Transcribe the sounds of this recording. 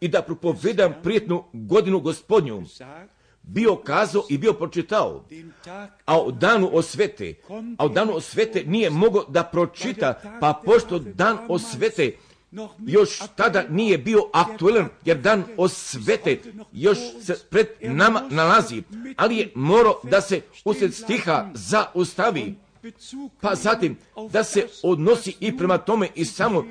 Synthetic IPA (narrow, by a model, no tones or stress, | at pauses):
id̪apɾo̞po̞ʋed̪ampɾijet̪nuɡo̞d̪inuɡo̞spo̞d̪ɲṵ | bio̞kaːzaoʔibio̞pɾot͡ʃit̪ao̰ | aod̪aːnuʔosʋet̪ḛaod̪aːnuosʋe̞t̪enije̞mo̞ɡo̞d̪apɾo̞t͡ʃit̪apapo̞ʃt̪o̞d̪aːnosʋet̪e | jo̞ʃt̪ad̪anije̞bio̞ʔak̚t̪uelanje̞ɾd̪aːnosʋe̞t̪ejo̞ʃsepɾe̞d̪namanalazialije̞moːɾaod̪ase̞ | uset̪st̪ixazaust̪aʋi | pazat̪im | d̪ase̞od̪no̞siʔipɾe̞mat̪o̞me̞ʔisamo